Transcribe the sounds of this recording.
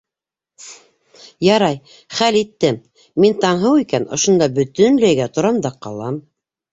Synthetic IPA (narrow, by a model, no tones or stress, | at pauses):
jɑɾɑj | χælit̪ːɘmː | int̪ɑɴɦɤwikænŏ̰ʃŏnd̪ɑbɵ̆t̪ɵnlæjɡæt̪ŏɾɑmd̪ɑqɑ̰lˠɑm